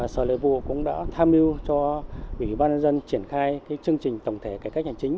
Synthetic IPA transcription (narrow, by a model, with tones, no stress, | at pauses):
səː˧˩lə̰˧˩vṵ˧˨kʊ̰˧˥ŋ͡mɗa̰ː˧˥t̪ʰaː˧mʔi˧wt͡ɕɔ˧ʔwi˧˩ɓaː˧nɲə˧nzə˧nt͡ɕi˧˩ənxaː˧jkaː˨˦jt͡ɕɨ˧əŋt͡ɕï˨˩ŋ̟t̪ə˨˩wŋ͡mt̪ʰe˧˩kaː˧˩jka˦˥k̚ha˧˩ŋt͡ɕï˨˦ŋ̟